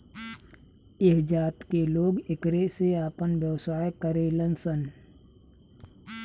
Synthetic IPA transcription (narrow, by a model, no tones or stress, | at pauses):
ɪɦd͡ʒaːt̪keloːɡɪkɾeseaːpənʋjəʋsaːjkəɾelənsən